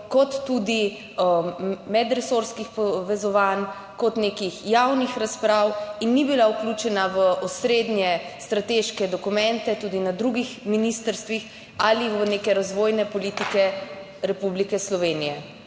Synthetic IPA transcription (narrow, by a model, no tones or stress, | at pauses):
kɔt̪ːud̪i | mɛd̪ɾɛsoɾskixpɔʋɛzɔʋan | kɔt̪nekixjawnixɾaspɾawinːibilauklut͡ʃɛnaʋəʔɔsɾed̪njɛst̪ɾat̪eʃkɛd̪ɔkumɛnt̪ɛt̪ud̪inad̪ɾuɡixminist̪əɾst̪ʋix | aliʋənekɛɾazʋoːjnɛpɔlit̪ikɛ | ɾɛpublikɛslɔʋeːnijɛ